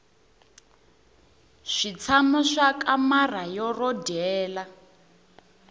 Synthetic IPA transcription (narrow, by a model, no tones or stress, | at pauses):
ʂit͡sʰamɔʂakʼamarajɔrɔdɛːla